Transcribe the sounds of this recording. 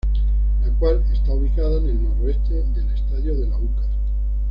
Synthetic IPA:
lakwale̞st̪auβikaðane̞lno̞ɾoe̞st̪eðe̞lest̪aðjoðe̞lauka

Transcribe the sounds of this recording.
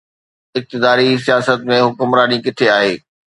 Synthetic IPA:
ɪk̚t̪ɪd̪aːɾisijaːsət̪mẽɦʊkʊmɾaːnikɪt̪ʰeaːɦeː

